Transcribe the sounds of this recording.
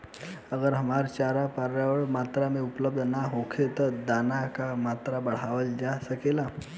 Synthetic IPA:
əɡəɾɦəmaɾt͡ɕaɾapaɾʋjaʋəɭmat̪ɾamiupləb̚d̪ʱənaɦokʰet̪əd̪anakamat̪ɾabəɽ̤aʋəld͡ʑasəkela

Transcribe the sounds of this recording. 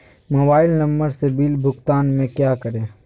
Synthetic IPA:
moːbaːɪlnɐmbəɾsebiːlbʱʊkt̪aːnmẽkjaːkəɾẽː

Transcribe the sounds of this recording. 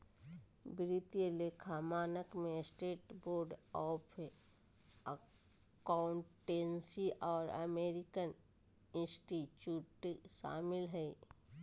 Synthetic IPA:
bɾɪt̪ijelekʰaːmaːnəkmẽsʈeːʈboːɾɖɔːpʰ | kaʊɳʈːeːnsiʔɔːɾə̰meːɾɪkən | ɪ̃nsʈit͡ʃjuːʈʃa̰ːmɪlɦɛi

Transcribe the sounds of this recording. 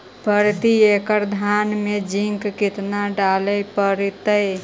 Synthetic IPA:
pəɾt̪iekəɾd̪ʱanmed͡ʒiŋkkit̪naɖaləjpəɾit̪əj

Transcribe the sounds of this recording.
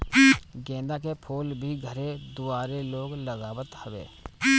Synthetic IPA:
ɡɛ̃ːnd̪akepʰoːlbʱiɡʱəɾed̪ʊaːɾeloːɡləɡaːwət̪həʋḛː

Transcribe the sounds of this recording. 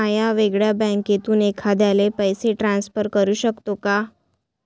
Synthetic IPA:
ajaʋeɡɭjabɛ̃ket̪uːnekʰad̪jalepəjseʈɾansfəɾkəɾuːɕəkt̪oka

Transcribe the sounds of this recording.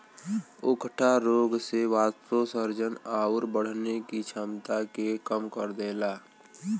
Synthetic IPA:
ʊkʈʰaɾoːɡseʋaːst̪osəɾd͡ʒənaːʊɾbəɽ̤nekit͡ʃʰamt̪akekəmkəɾd̪eːlaː

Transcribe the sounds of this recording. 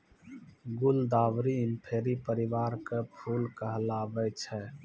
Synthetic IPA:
ɡʊld̪aːwɾiɪmpʰeːɾipəɾɪʋaːɾkepʰuːlkəɦlaːbɛt͡ʃʰɛ

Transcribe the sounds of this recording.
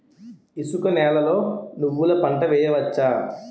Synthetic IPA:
isukɐnɛːlɐlo̞ːnuʋːulɐpɐɳʈɐʋɛːjɐʋɐt͡ʃːaː

